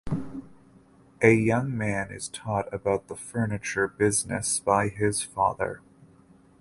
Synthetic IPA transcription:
ʔɨjʌ̃ŋmæ̃nɪ̰z̥tʰɔɾɨbaʊt̪̚ðəfɜ˞nɨt͡ʃə˞bɪznɨ̰sb̥aɪɪz̥fɑ̰ðə̰˞

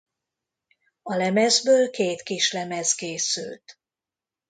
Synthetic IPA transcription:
ɒlɛmɛzbøːlkeːt̪kiʃlɛmɛzkeːsy̰lt̪

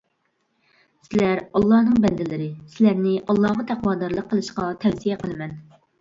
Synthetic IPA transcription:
sɪlæɾɑlˠːɑhnɨŋbɛnd̪ɪlɪɾɪsɪlæɾnɪʔɑlˠːɑʁɑt̪ʰæqwɑːd̪ɑɾlˠəqʰːəlˠɨʃqɑt̪ʰɛwsijɛqəlˠɨmɛn

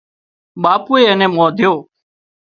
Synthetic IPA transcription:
ɓaːpuːeːnẽːmõːd̪ʱjoː

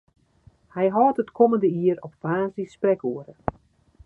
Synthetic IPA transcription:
hɛjɦɔːtətkʰoməndəiəɾɔpfaːnzdisprɛkuəɾə

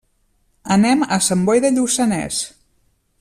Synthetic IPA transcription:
ənɛməsəmbɔjðəʎusənɛ̰s

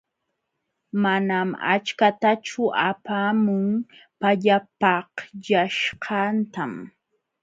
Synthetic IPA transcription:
manama̰t͡ʃkat̪at͡ʃʊʔapaːmʊŋpaʎapɑhʎaʃqʰɑnt̪am

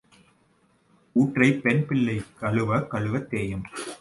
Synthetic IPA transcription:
uːʈrɐɪpɛnpɪlːɐɪkɐɭɯʋɐkɐɭɯʋɐt̪ːeːjɐm

